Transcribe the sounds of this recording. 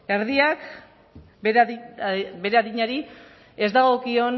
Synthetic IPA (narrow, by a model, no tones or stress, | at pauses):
eɾðiak | be̞ɾeaðiɲaɾi | e̞zd̪aɣ̞o̞kio̞n